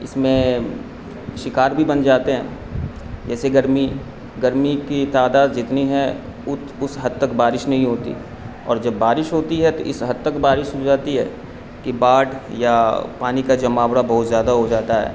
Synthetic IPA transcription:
ɪ̰smẽ | ʃɪkaːɾbʱibɐnd͡ʒaːt̪eɦɛ̰̃ː | d͡ʒɛːseɡɐɾmi | ɡɐɾmikit̪aːd̪aːd̪d͡ʒɪt̪niɦɛ̃ | ʊt̪ | ʊsɦɐd̪̚t̪ɐkbaːɾɪʃnɐɦĩɦoːt̪ḭ | ɔ̰ːɾd͡ʒɐbːaːɾɪʃɦoːt̪iɦɛt̪oʔɪsɦɐd̪̚t̪əkbaːɾɪʃɦod͡ʒaːt̪iɦɛ̰ː | kibaːʈjapaːnikad͡ʒɐmaːwɽabɐɦʊt̪zjaːd̪aɦod͡ʒaːt̪aɦɛ̰ː

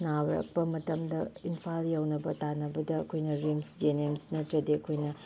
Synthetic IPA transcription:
nawɾɐ̰k̚pɐmɐtɐmdɐinpʰaljawnɐbɐtanɐbɐdɐːkʰojnɐɾimsd͡ʒenemsnɐtɐdeɐkʰojnɐ

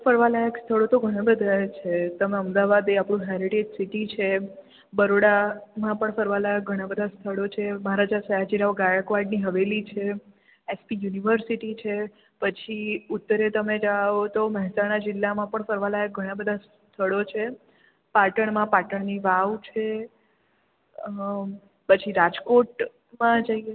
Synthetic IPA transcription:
fəɾʋalajəkst̪ʰəɭot̪oɡʱəɽ̃ãbəd̪ʱat͡ʃʰet̪əmeəmd̪aʋad̪eapɽ̃ũɦɛɾiʈed͡ʒsiʈit͡ʃʰe | bəɾoɽamãpəɳfəɾʋalajək̚ɡʱəɽ̃ãbəd̪ʱast̪ʰəɭot͡ʃʰeməɦaɾad͡ʒasəɦad͡ʒiɾaʋɡajkʋaɾɖniɦəʋelit͡ʃʰe | espijuniʋəɾsiʈit͡ʃʰe | pət͡ʃʰiut̪ːəɾet̪əmed͡ʒaot̪oməɦɛsaɽ̃ad͡ʒɪlːamãpəɳfəɾʋalajɡʱəɽ̃ãbəd̪ʱas | t̪ʰəɭot͡ʃʰe | paʈəɳmãpaʈəɳniʋaʋt͡ʃʰe | pət͡ʃʰiɾad͡ʒkoʈ | mãd͡ʒəie

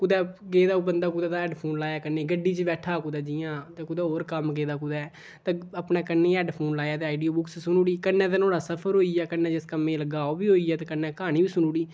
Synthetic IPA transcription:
kʊd̪ɛːɡeːd̪aːubənd̪aːkʊd̪ɛːd̪aːɛːɖpʰoːnlaːjaːkənːeːɡəɖːiːt͡ʃəbɛːʈʰaːkʊd̪ɛːd͡ʒiːãːt̪eːkʊd̪ɛːɦoːɾkəmɡeːd̪aːkʊd̪ɛː | t̪ẽːəpnɛ̃ːkənːẽːɛːɖpʰoːnlaːjaːt̪eːaːɪɖijoːbʊkssʊnuːɽiːkənːɛ̃ːt̪ẽnoːɽaːsəpʰəɾɦoːiɛːkənːɛ̃ːd͡ʒɪskəmːẽːləɡaːoːbiːɦoːiːɛːt̪eːkənːɛ̃ːkaːñiːbiːsʊnuːɽiː

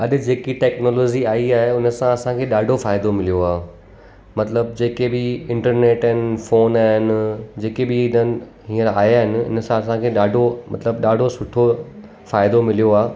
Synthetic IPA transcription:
ɐɗɪ̆d͡ʑeːkiʈɛːknɔːlɔːd͡ʑiaːiaːɦeʊnəsãɐsãkʰeːɗaːɖʱofaːɪd̪omɪlijoaː | mɐt̪ləb̚d͡ʑeːkebɪɪ̃ɳʈəɾneːʈɦɪnɪ̆foːnaːɦɪnɪ̆d͡ʑeːkebɪɪnənɪ̆ɦĩːəɾaːɦjaːɦɪnɪ̆ʊ̰nəsãɐsãkʰeːɗaːɖʱomɐ̰t̪ləbɗaːɖʱosʊʈʰo | faːɪd̪omɪlijoaː

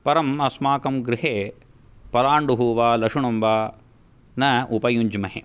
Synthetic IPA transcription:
pɐɾɐmɐsmaːkɐmɡɾɪɦeː | pɐɾaːɳɖuɦuːʋaːlɐkʂuɳɐmʋaː | nɐʔupɐjuɲd͡ʒmɐɦḛ

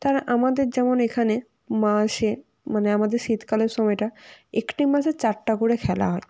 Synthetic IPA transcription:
t̪aɾaʔamad̪eɾd͡ʑɛmonekʰane | maʃe | maneamad̪eɾʃit̪kaleɾʃɔmɔjʈaekʈimaʃet͡ɕaɾʈakoɾekʰɛla̰ɦɔe

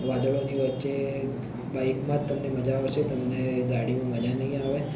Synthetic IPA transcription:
ʋad̪əɭoniʋətːʃe | baikmãt̪ːəmneməd͡ʒaot͡ʃʰet̪əmned̪aɽimãməd͡ʒanəɦĩaʋe

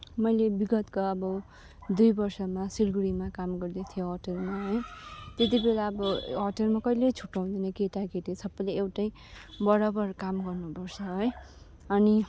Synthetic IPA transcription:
mʌjlebiɡʌt̪kaʌbʌ | d̪ujbʌrsʌmasilɡuɽimakamɡʌrd̪et̪ʰijoɦʌʈʌlmaɦʌjt̪et̪̬ibelaʌbʌɦʌʈʌlmakʌjlet͡sʰu̥ʈːaw̃d̪ʌnʌkeʈakeʈisʌbːʌjleːwʈʌj | bʌɾʌbʌrkamɡʌrnupʌrt͡sʰʌɦʌj | ʌni

